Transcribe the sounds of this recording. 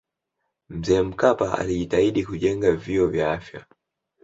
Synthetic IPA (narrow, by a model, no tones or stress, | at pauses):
m̩zɛːm̩kapaa̰liʄitaiɗikuʄɛŋɡaviɔvjaafja̰